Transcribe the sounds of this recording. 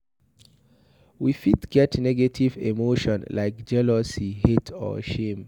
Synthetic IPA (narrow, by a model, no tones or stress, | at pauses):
wifitɡ̥ɛtnɛɡetʰivḛmoʃɔ̃nlaɪkd͡ʒɛlɔsihetʰɔ̰ʃẽm